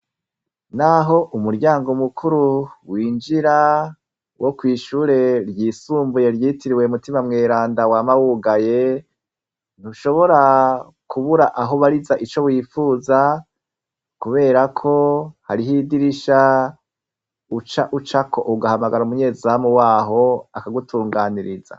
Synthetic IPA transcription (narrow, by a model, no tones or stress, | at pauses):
naɦo̞ʔumuɾɟaːŋɡo̞mukʰuɾuwiːnd͡ʒiɾa | wʔo̞kwiːʃuːɾe̞ɾjiːsuːmbuje̞ɾjiːtiɾiweumutimamŋe̞ːɾaːndawaːmawuɡaje̞ | n̥uʃo̞βo̞ɾa | kuβuɾaʔaɦoβaɾizaʔit͡ʃo̞βwiːfuːza | kuβe̞ːɾakʰo̞haɾiɦidiɾiʃa | ut͡ʃaʔut͡ʃakʰo̞̰ʔuɡahamaɡaɾaumuɲe̞ːzamuwaːɦo̞akaɡutʰuːŋɡaːniɾiza̰